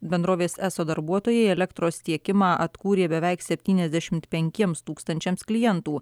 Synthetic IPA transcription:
bʲɛnd̪ɾoːʋʲeːsæːsoːd̪ɐɾbuɔt̪oːjɛɪɛlʲɛkt̪ɾoːst̪ʲiɛkʲɪmɑːʔɐt̪kuːɾʲeːbʲɛʋʲɛɪksʲɛpʲt̪ʲiːnʲɛzd̪ʲɛʃʲɪmt̪pʲɛŋʲkʲiɛmst̪uːkst̪ɐnʲt͡ʃʲɛmsklʲɪjɛnt̪uː

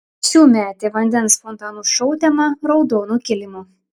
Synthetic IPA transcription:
ʃʲuːmʲæːt̪ʲeːʋɐnʲd̪ʲɛnsfɔnt̪ɑːnuʃɔʊt̪ʲɛmɐɾɔʊd̪oːnuːkʲɪlʲɪmuː

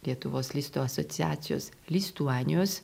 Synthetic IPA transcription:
lʲiɛt̪ʊʋoːslʲiːst̪oːɐsot̪sʲɪjæ̰ːt̪sʲɪjo̰ːs | lʲist̪uːɑːnʲɪjoːs

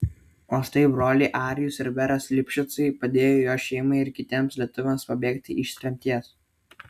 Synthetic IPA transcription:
oːst̪ɐɪbɾoːlʲiːʔɑːɾʲɪjʊsɪɾʋʲɛɾɐslʲɪpʲʃʲʊt̪sɐɪpɐd̪ʲeːjoːjoːʃʲɛɪmɐɪɪɾkʲɪt̪ʲiɛmslʲiɛt̪ʊʋʲɛmspɐbʲeːkt̪ʲɪ̰ʔɪʃʲsʲɾʲɛmʲt̪ʲiɛs

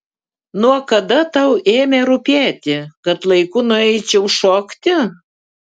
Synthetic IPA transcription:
nuɔkɐd̪ɐt̪ɐʊeːmʲeɾʊpʲæːt̪ʲɪkɐt̪lˠɐɪkʊnʊɛɪt͡ʃʲɛʊʃoːkt̪ʲɪ

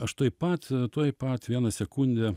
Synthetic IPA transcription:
ɐʃt̪uɔjpɐt̪t̪uɔjpɐt̪ʋʲiɛnɐsʲɛkuːnʲd̪ʲɛ

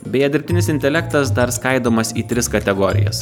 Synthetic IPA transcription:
bʲɛːjɛd̪ʲɪɾpʲt̪ʲɪnʲɪsʲɪnʲt̪ʲɛlʲɛk̚t̪ɐsd̪ɐɾskɐɪd̪oːmɐsiːt̪ʲɾʲɪskɐt̪ʲɛɡɔːɾʲɪ̰jɛ̰s

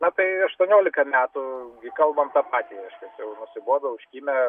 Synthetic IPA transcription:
nɐt̪ɐɪɐʃt̪uɔnʲoːlʲɪkɐmʲæːt̪ʊɡʲɪkɐlˠbɐmt̪ɑpɑːt̪ʲiːɾɐɪʃʲkʲɛsjɛʊnʊsʲɪboːbʲɛʊʃʲkʲiːmʲɛ

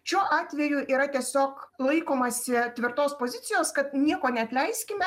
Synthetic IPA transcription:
ʃʲuːʔɑːt̪ʲʋʲɛjuːʔiːɾɐt̪ʲiɛsʲoːklˠɐɪkoːmɐsʲɪt̪ʲʋʲɪrt̪oːspoːzʲɪt̪ʲɪjoːskɐt̪nʲiɛkoːnʲɛɐt̪ʲlʲɛɪsʲkʲɪmʲɛ

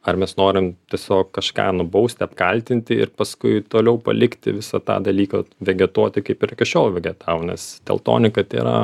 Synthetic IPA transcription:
ɐrmʲɛsnoːɾʲɪmt̪ʲiɛsʲoːkkɐʃkɑ̰ːnʊbɐʊsʲt̪ʲɪɐpkɐlʲt̪ʲɪnʲt̪ʲɪɪ̰rpɐskʊɪt̪oːlʲɛʊpɐ̰lʲɪkt̪ʲɪ̰ʋʲɪsɐt̪ɑ̰ːd̪ɐlʲiːkɐʋʲɛɡʲɛt̪uɔt̪ʲɪkɐɪpɪɾkʲɐʃʲoːlˠʋʲɛɡʲɛt̪ɑːʋonʲɛ̰st̪ʲɛ̰lˠt̪o̰ːnʲɪkɐt̪ʲḛːɾɐ̰

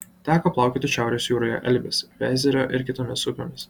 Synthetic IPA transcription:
t̪ʲæːkoːplˠɑˑʊkʲeːt̪ʲɪʃʲæˑʊɾʲoːsjuːɾoːjɛ̰ʔɛ̰lʲbʲɪsʋʲæzʲɛɾʲoːʔɪɾkʲɪt̪oːmʲɪsʊpʲoːmʲɪs

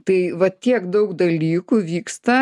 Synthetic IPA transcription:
t̪ɐɪʋɐt̪ʲiɛkd̪ɐʊkd̪ɐlʲiːkuʋʲiːkst̪ɐ

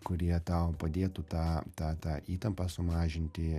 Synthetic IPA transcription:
kʊɾʲiɛt̪ɐʊpɐd̪ʲeːt̪uːt̪ɑːt̪ɑːt̪ɑːʔiːt̪ɐmpɑsʊmɑːʒʲɪnʲt̪ʲɪ

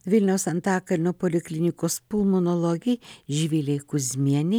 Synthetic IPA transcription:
ʋʲɪlʲnʲɛʊsɐnt̪ɑːkɐlʲnuɔpolʲɪklʲɪnʲɪkoːspʊlˠmonɔlˠoɡʲɪjʒʲʋʲilʲɛɪkʊzʲmʲiɛnʲɪ

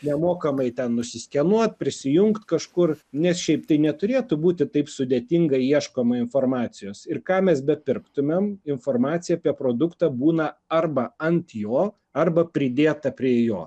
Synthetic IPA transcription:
nʲɛmoːkɐmɐɪt̪ʲɛnnʊsʲɪsʲkʲɛnuɔt̪̚pʲɾʲɪsʲɪjʊŋkt̪kɐʃkʊrnʲɛsʃʲɛɪpt̪ɐɪnʲɛt̪ʊɾʲeːt̪ʊbuːt̪ʲɪt̪ɐɪpsʊd̪ʲeːt̪ʲɪŋɡɐiɛʃkoːmɐɪnfoːrmɑːsʲɪjoːsɪrkɑːmʲɛsbʲɛpʲɪrkt̪ʊmʲɛmɪnfoːrmɑːt̪sʲɪjɛaːpʲiɛpɾoːd̪ʊkt̪ɑːbuːnɐɐrbɐɐnt̪joː | ɐrbɐpʲɾʲɪd̪ʲeːt̪ɐpʲɾʲiɛjoː

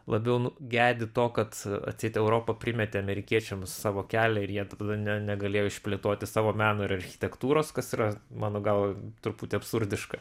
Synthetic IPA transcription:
lˠɐbʲɛʊnʊɡʲæːd̪ʲɪt̪oːkɐt̪ɐ̰t̪ʲsʲɛɪt̪ʲɛʊɾoːpɐpʲɾʲɪmʲɛt̪ʲɪɐmʲɛɾʲɪkʲiɛt͡ʃʲɛmsɑːʋoːkʲæːlʲɛɪɾjiɛt̪ɐd̪ɐnʲɛnʲɛɡɐlʲeːjoːɪʃʲpʲlʲeːt̪oːt̪ʲɪsɑːʋoːmʲæːnoːɪɾɐrʲxʲɪ̥t̪ʲɛkt̪uːɾoːskɐsiːɾɐmɑːnoːɡɐlˠt̪ʊɾpuːt̪ʲɪɐpsʊɾʲd̪ʲɪʃkɐ

